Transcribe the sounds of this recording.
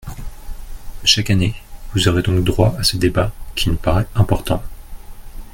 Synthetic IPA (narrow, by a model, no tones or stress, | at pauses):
ʃakanevuzɔʁed̪ɔ̃k̚d̪ʁwaasəd̪ebakʲʰinupaʁɛɛ̃pɔʁt̪ɑ̃